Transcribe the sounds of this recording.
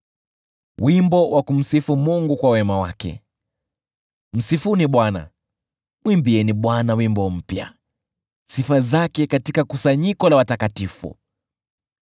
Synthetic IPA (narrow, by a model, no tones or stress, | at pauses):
wimbɔwʔakum̩sifumuŋɡukwawɛmawa̰kɛ̰ | m̩sifuniɓwana̰ | mwimbiɛniɓwanawimbɔm̩pja̰ | sifazakɛkatikakusaɲikɔlawatakatifṵ